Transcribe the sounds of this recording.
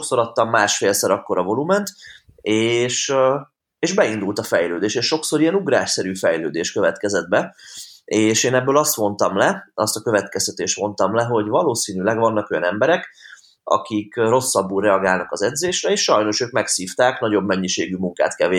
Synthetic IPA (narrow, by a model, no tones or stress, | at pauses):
ʃokso̞ɾɒt̪ːɒmːaːʃfeːlsɒɾɒkːo̞ɾɒvo̞lumɛnt̪ | eːʃ | eːʒbɛind̪ult̪ɒfɛjløːd̪eːʃeːʃʃo̞kso̞ɾijɛnuɡɾa̰ːʃsɛɾyːfɛjlø̰ːd̪eːʃkøvɛt̪kɛzɛd̪̚bɛ | eːʃeːnɛbːøːlɒst̪mo̞nt̪ɒmlɛɒst̪ɒkø̞vɛt̪kɛst̪ɛt̪eːʃt̪mo̞nt̪ɒmlɛɦo̞ɟvɒloːsiːnylɛɡvɒnːɒko̞jɒ̰nɛmbɛɾɛk | ɒ̰kikro̞sːɒbːuːlrɛɒɡaːlnɒkɒzɛd̪zeːʃrɛeːʃʃɒjno̞ʃøːkmɛksiːft̪aːknɒɟo̞bmɛɲːiʃeːɡymuŋka̰ːt̪kɛle